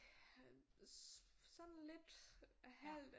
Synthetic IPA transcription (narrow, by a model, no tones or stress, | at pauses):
sɒ̽nle̝d̥hæl̰d̥